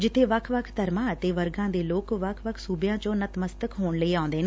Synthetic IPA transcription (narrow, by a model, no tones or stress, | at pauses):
d͡ʒɪt̪ʰːeːʋəkʰʋəkʰt̪əɾmãːət̪eːʋəɾɡãːd̪eːloːkʋəkʰʋəkʰsuːbjãːt͡ʃõːnət̪məst̪əkɦoːɳləiːãːʊ̃nd̪eːneː